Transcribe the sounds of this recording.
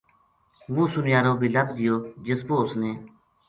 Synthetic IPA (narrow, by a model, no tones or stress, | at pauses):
ʋũːsʊnɪjaːɾõːbʱiːləb̚d̪ɪjoːd͡ʒɪsboːsneː